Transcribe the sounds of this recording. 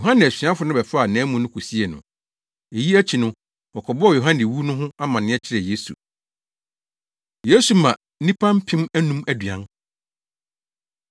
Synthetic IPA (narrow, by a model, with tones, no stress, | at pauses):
jo˨ɦã˦nɪ̃˨æ˨ɕᶣi˨˦a˦fʊ˦nʊ̃˦bɛ˨fa˨nɛ̃ː˨˦mũ˨nʊ̃˦kʰu˨si˦ɛ˨nʊ̰̃˨ | e˨ji˦æ˦t͡ɕʰi˨nʊ̃˦ | ɔ˨kʰɔ˨bɔ˦ɔ˦˨jo˨ɦã˦nɪ̃˨wu˦nʊ̃˦ɦʊ̃˦a˦mã˨nɪ̃˦ɛ˦t͡ɕʰɪ˦ɾɛ˨je˦sṵ˨ | je˦su˨mã˨˦nĩ˦pʰã˦m̩˦pʰɪ̃˦mæ˦nũ˦mæ˦dɥã˨˦n